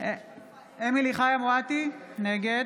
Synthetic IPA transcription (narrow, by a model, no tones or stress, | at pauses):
emiliχajamʁat̪ineɡed